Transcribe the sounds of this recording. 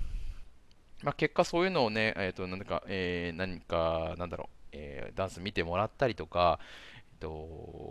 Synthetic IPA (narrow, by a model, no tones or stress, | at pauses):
make̞kːaso̞ːjɯ̟ːno̞ːne̞ʔet̪ːo̞nãnt̪aka̰enaɲ̟ikanãnd̪aɾo̰ḛːd̪ãɰ̃sɨmʲit̪e̞mo̞ɾat̪ːaɾʲit̪o̞kaet̪ːo̞